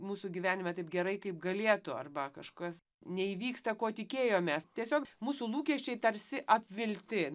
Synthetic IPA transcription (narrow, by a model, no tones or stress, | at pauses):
muːsʊɡʲiʋʲæːnʲɪmʲɛt̪ɐɪp̚ɡʲɛɾɐɪkɐɪp̚ɡɐlʲeɛt̪ʊɐ̰rbɐkɐʃkɐs | nʲɛiːʋʲiːkst̪ɐkoːt̪ʲɪkʲeːjoːmʲɛst̪ʲiɛsʲoːkmuːsulˠuːkʲɛʃʲt͡ʃʲɛɪt̪ɐɾʲsʲɪʔɐpʲʋʲɪlʲt̪ʲɪ